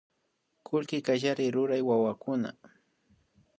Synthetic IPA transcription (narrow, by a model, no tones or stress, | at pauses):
kʰʊlkɪkaʒaɾɪɾʊɾajwawakʊna̰